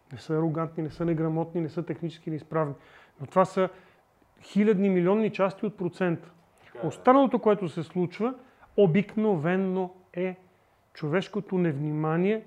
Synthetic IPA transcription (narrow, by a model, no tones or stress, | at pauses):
nɛsəɛɾoɡant̪ninɛsɤnɛɡɾɐmɔt̪ninɛsɤt̪ɛxnit͡ʃɛ̥skinɛispɾavni | not̪vasə | xilʲɐd̪nimilʲiɔnːit͡ʃast̪iot̪̚pɾot̪sɛnt̪ə̥ | ot̪st̪anəlˠot̪okoɛt̪osɛslˠut͡ʃvə | obiknovɛnːo | ɛ | t͡ʃovɛʃkot̪onɛvnʲimaniɛ